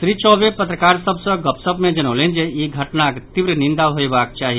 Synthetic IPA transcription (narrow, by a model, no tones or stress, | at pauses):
sɾit͡ʃɔːʋepət̪ɾəkaːɾsəbsəɡəpsəbmẽd͡ʒɐnoːlẽnd͡ʒejeɡʱɐʈnakt̪iʋɾənɪ̃nd̪aɦoebaːk̚t͡ʃaːɦi